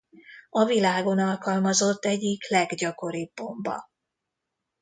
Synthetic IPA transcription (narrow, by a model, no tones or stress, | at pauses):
ɒvilaːɡo̞nɒlkɒlmɒzo̞t̪ːɛɟːiklɛɡɟɒko̞ɾiːbːo̞mbɒ̰